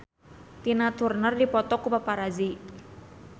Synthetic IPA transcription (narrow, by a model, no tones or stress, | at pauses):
t̪inat̪urnərdipɔt̪ɔkupapaɾazi